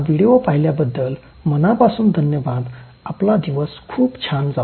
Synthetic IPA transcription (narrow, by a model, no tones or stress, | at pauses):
ʋiɽiopaɦiljabəd̪ːəl | mənapasuːnd̪ʱənjəʋad̪ | aplad̪iʋəskʰuːbt͡ɕʰand͡za